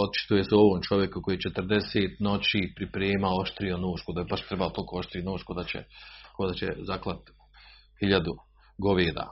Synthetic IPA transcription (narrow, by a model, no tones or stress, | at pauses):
ot̪̚t͡ʃi̥t̪ujeseo̞ʋoːmt͡ʃo̞ʋje̞kuko̞jit͡ʃet̪r̩d̪e̞seːt̪no̞t͡ɕiːpɾipɾeːmaoʃt̪ɾijonoːʃkod̪abaʃt̪ɾebaot̪olkoːoʃt̪ɾiːnoːʃkod̪at͡ɕḛkod̪at͡ɕḛzaklˠat̪ | hiʎad̪u | ɡoʋeːd̪a̰